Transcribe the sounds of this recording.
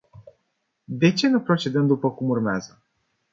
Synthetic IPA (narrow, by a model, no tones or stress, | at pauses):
d̪e̞t͡ʃe̞nupɾo̞t͡ʃe̞d̪əmd̪upəkumurmea̰zə